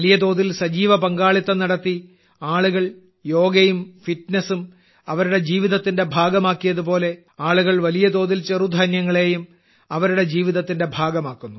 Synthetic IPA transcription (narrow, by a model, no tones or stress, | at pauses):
ɐlijɐd̪o̞ːðilsɐd͡ʑiːʋɐpɐŋɡaːɭit̪ːɐnɐɽɐt̪ːi | aːɭuɣɐɭ | jo̞ːɡɐjumfitnɐsum | ɐʋɐɾuɽe̞d͡ʑiːʋiðɐt̪ːinde̞bʱaːɡɐmaːkːijɐðupo̞ːle̞ | aːɭuɣɐɭʋɐlijɐd̪o̞ːðilt͡ɕerud̪ʱɐnjɐŋːɐɭe̞ːjum | ɐʋɐɾuɽe̞d͡ʑiːʋiðɐt̪ːinde̞bʱaːɡɐmaːkːunːu